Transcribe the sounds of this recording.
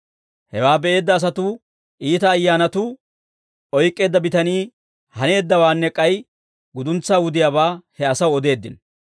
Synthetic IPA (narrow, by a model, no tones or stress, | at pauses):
hɛwaːbɛʔe̞ːd̪ːɐːs̬ɐt̪u | ʔiːt̪ɐːjːaːnɐt̪ʊ | ɔjkʼːe̞ːd̪ːɐbɪt̪ɐniː | hɐne̞ːd̪ːɐwaːnːɛkʼːɐj | ɡʊd̪ʊnt͡sːaːwʊd̪ɪjaːβaːhɛɐsɐwɔd̪e̞ːd̪ːɪn